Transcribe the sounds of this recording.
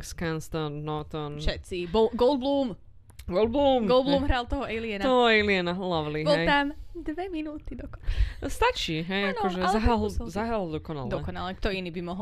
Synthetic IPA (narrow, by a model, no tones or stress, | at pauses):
kskanst̪ɔnːɔt̪ɔnfʃɛt̪sibɔlɡɔlˠd̪̚bluːm | ɡɔlˠd̪bluːmɡɔlˠbluːmɦɾalt̪ɔɦɔɛliɛnaɔɦɔɛliɛnalaʋliɦbɔlɛjt̪amd̪ʋɛminuːt̪id̪ɔkɔ̥pst̪at͡ʃiɦɛjankɔʒɛzaɦalzaɦald̪ɔkɔna̰ld̪ɔɛkɔnalɛkt̪ɔiniːbimɔɦɔ